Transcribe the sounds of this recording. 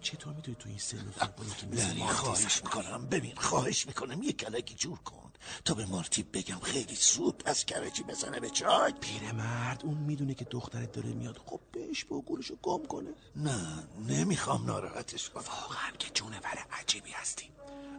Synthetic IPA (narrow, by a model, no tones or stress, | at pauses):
t͡ʃʰet̪ʰoːɾmid̪unit̪ʰujeinselːok̪ʰbonokʰemiænixɒːheʃmikʰonæmbe̞binxɒːheʃmikʰo̞næmjecʰælækʰiːd͡ʒuɾkʰo̰nd̪̥t̪ʰɒːbemɒɾt̪ʰib̚be̞ɡæmxe̞jlisubæz̥kʲʰæɾet͡ʃʰiːbe̞zænebet͡ʃʰɒjpʰiːɾemæɾd̪unmiːd̪unecʰed̪oxt̪æɾed̪ɒːɾḛmijɒd̪xob̥̚beheʃb̥oɡuːɾeʃoɡ̥omkʰo̞̰ne | nænemixɒmnɒːɾɒ̰ːhæt̪ʰeʃvævɒːɣeæncʰed͡ʒunevæɾeʔæd͡ʒiːbiːhæst̪ʰi̥